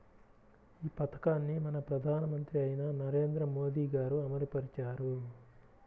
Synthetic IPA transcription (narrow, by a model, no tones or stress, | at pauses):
iːpɐt̪ɐ̥kaːnːimɐnɐpɾɐd̪ʱaːnɐmɐnt̪ɾiɐjinɐnɐɾe̞ːnd̪ɾɐmo̞ːd̪iːɡaːɾuɐmɐɾipɐɾit͡ʃaːɾu